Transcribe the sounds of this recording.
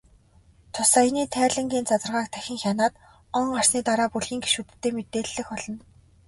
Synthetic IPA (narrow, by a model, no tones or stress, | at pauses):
t̪ʰʊsajniːt̪ʰæːɮɘ̆ŋɡʲiːnt͡sat͡sə̆rʁaːk̚t̪ʰæxʲɪ̆ŋxʲanaːt̪ | ɔŋɢar̥sniːt̪aɾaːpuɮxiːŋɡe̥ʃut̪̆ʰːeːmet̪eːɮːɘ̆xɔɮɞ̆n